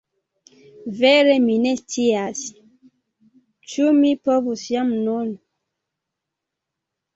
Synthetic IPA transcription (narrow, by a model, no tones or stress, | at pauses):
vɛɾɛminɛstiasi̥ | t͡ʃumipɔβusjamnɔn